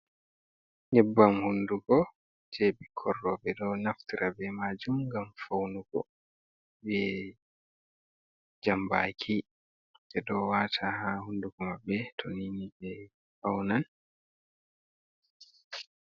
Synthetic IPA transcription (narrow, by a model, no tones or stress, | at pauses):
ɲɛbːamhunduɡɔ | d͡ʒebikʰɔrːɔbɛdɔnaftiɾʔabɛmad͡ʒumɡamfawnuɡɔ̰ | bɛ | d͡ʒamba̰kʰi | d͡ʒɛdɔwaːtʰaɦahunduɡɔmabːɛtʰoniːnid͡ʒɛ | fawnan